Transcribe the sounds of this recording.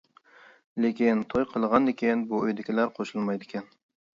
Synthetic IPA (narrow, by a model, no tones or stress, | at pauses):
lekʲint̪ʰojqʰəlˠəʁɑnd̪ɪkʲinbuøjd̪ɪkʲʰilæɾqʰoʃulˠmɑjd̪ɪkʲʰɛn